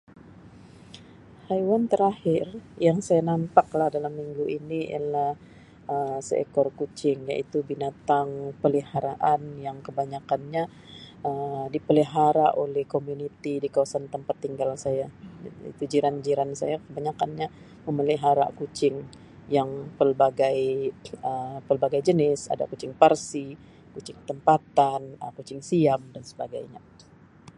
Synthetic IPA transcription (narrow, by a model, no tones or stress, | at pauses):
hajwant̪əɾahɪrjaŋsajanampaklahdalamːiŋɡuʔinia̰lah | əsə̰ḛkɔrkut͡ʃɪŋja̰ʔit̪ubinat̪aŋpəlihaɾaʔanjaŋkəbaɲakanɲa | əmdipəliɦaɾaʔolɛhkomunit̪idikawasant̪əmpat̪ːiŋɡalsajaḭt̪ud͡ʒiɾand͡ʒiɾansa̰jakəbaɲakanɲa | məməliɦaɾa̰kut͡ʃɪŋ | jaŋpəlbaɡajəpəlbaɡajd͡ʒənɪsa̰da̰kut͡ʃɪŋparsi | kut͡ʃɪŋt̪əmpat̪anəkut͡ʃɪŋsiamdansəbaɡa̰jɲa̰